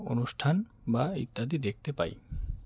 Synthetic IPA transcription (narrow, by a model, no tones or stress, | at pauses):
o̰nuʃʈʰanbaḭt̪ːad̪id̪ek̚t̪epa̰j